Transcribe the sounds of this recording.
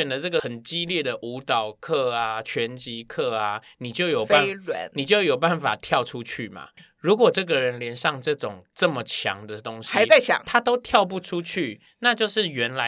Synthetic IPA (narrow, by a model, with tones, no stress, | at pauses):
ɛ˨˩nd̪ə˨˦ʈ͡ʂɤ˥˩ɡə˩xə˨˩nt͡ɕi˦ljɛ˥˩d̪ə˩ʔu˧˥˦t̪ɑ˨˩ʊkʰɤ˥˩a˨t͡ɕʰɥɛ˧˦nt͡ɕi˧˦˥kʰɤ˥˩a˨ni˨˩t͡ɕjo˥˩ʊjo˨˩ʊ˥˨nlwə̰˧˦nni˨˩t͡ɕjo˥˩ʊjo˨˩ʊpa˥˩nfa̰˨˩t̪ʰjɑ˥˨ʊʈ͡ʂʰu˦t͡ɕʰy˥˩ma̰˨˩ | ɻu˧˥kwɔ˨˩ʈ͡ʂɤ˥˩ɡə˨ɻə˨˦nljɛ˧˦nʂɑ˥˧ŋʈ͡ʂɤ˥˩ʈ͡ʂʊ˨˩ŋʈ͡ʂə˥˩mə˨t͡ɕʰjɑ̰˧˦ŋd̪ə˨t̪o˦ŋɕia˧˥˦ɪt͡sa˥˩ɪt͡ɕʰja̰˨˦ŋt̪ʰa˥t̪o˥ʊt̪ʰjɑ˥˧ʊp̬u˥˩ʈ͡ʂʰu˦˥t͡ɕʰy˥˩ | na˥˧t͡ɕjo˥˧ʊʂɻ̩˥˩ɥɛ˧˦nla˧˦